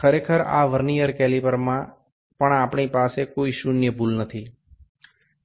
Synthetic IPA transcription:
kʰəɾekʰəɾa̰ʋəɾnijəɾkɛlipəɾmã | pəɳapɳipasekoiʃunjəbulnət̪ʰi

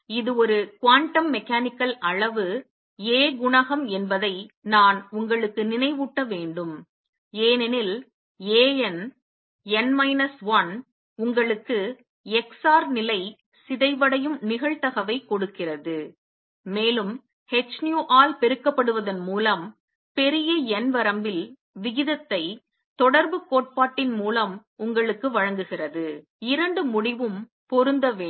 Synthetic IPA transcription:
ɪðɯɔɾɯkʋaːɳʈːɐmːɛkːaːnɪkːɐlɐɭɐʋɯ | eːɡʊɳɐɣɐmɛnbɐðɐɪnaːnʊŋɡɐɭɯkːɯnɪnɐɪʋuʈːɐʋeːɳɖɯm | eːnɛnɪl | eːɛn | ɛnmɐɪnɐsʋɐn | ʊŋɡɐɭɯkːɯ | ɛksaːɾnɪlɐɪ | sɪðɐɪʋɐɽɐjɯmnɪɣɐɭt̪ɐɣɐʋɐɪkːɔɽɯkːɪrɐðɯ | meːlɯm | hɛt͡ʃnjuːʔaːlpɛɾɯkːɐpːɐɽɯʋɐðɐnmuːlɐm | pɛɾɪjɐɛnʋɐɾɐmbɪl | ʋɪɣɪðɐt̪ːɐɪ | t̪ɔɽɐɾbɯkoːʈ̚paːʈːɪnmuːlɐmʊŋɡɐɭɯkːɯʋɐɻɐŋɡɯɣɪrɐðɯ | ɪɾɐɳɖɯmʊɽɪʋɯm | pɔɾɯnd̪ɐʋeː

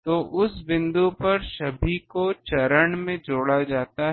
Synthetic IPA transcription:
t̪oːʔʊsbɪ̃nd̪upɐɾʃɐbʱikot͡ʃɐɾəɳmẽd͡ʒoːɽad͡ʒaːt̪aɦ

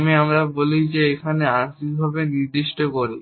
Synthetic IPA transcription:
miamɾabolid͡ʑeekʰaneaɾʃik̚bʱabeniɾd̪iʃʈokoɾi

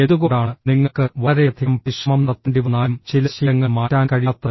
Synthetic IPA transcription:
eðuɣoːɽaːɳɨniŋːɐkːɨʋɐɾeɐd̪ʰʱiɐmpiʂɐmɐmnɐt̪ːɐɳɖiʋɐnaːɐmt͡ɕilɐɕɐɐŋːɐɭmaːtːaːnkɐɻit̪ːɐ

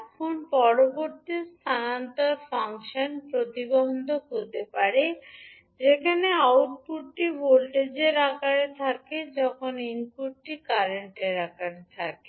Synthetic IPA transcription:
ɛkʰonpɔɾoboɾt̪ist̪ʰanant̪aɾfaŋʃanpɾot̪ibond̪ʱokot̪epaɾe | d͡ʑekʰaneawʈpuʈːiboɾʈed͡ʑeɾakaɾet̪ʰaked͡ʑɔkʰoninpuʈʈikaɾeɳʈeɾakaɾet̪ʰake

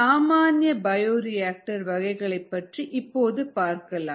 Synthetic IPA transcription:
aːmaːnjɐbɐjoːɾɪjaːk̚ʈɐɾʋɐɣɐɪɣɐɭɐɪpːɐʈriʔɪpːoːðɯpaːɾkɐlaː

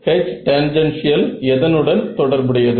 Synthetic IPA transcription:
hɛt͡ʃʈɛnd͡ʒɐnsɪjɐlɛðɐnɯɽɐnt̪ɔɽɐɾbɯɽɪjɐðɯ

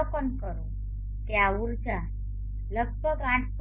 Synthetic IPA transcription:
kənkəɾo | keauɾd͡ʒa | ləɡ̚bʱəɡãʈʰp

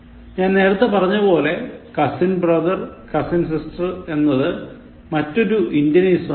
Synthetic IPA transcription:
ɲaːnne̞ːɾɐt̪ːɐpɐrɐɲːɐpo̞ːle̞kɐsinbrɐd̪ɐrkɐsinsistrɨe̞nːɐðɨ | mɐtːo̞ɾuindjɐniːs

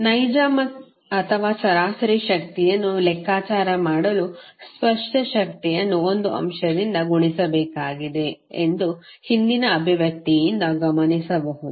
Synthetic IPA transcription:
nɐjd͡ʒaːmɐk | ɐt̪ʰɐʋaːt͡ʃɐɾaːsɐɾiʃɐk̚t̪ijɐnːulɛkʰːaːt͡ʃaːɾɐmaːɽɐluspɐʂʈɐʃɐkt̪ijɐnːuond̪uʔɐ̰mʃɐd̪ind̪ɐɡuɳisɐbɛːkaːɡid̪e̞ːnd̪u | hind̪inɐːbʱiʋjɐk̚t̪ijind̪ɐɡɐmɐnisɐʋɐɦud̪u

